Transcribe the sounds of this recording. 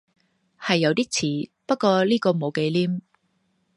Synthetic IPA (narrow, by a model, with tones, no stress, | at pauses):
hɐ˨jːɐ˨˧wt̪iː˥t͡sʰiː˨˩pɐ˥t̚kɔː˧liː˥kɔː˧mo˨˧wke˨˧jliː˥m